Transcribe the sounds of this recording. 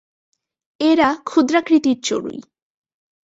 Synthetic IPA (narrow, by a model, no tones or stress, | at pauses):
eɾakʰud̪ɾakɾit̪iɾt͡ɕo̰ɽṵj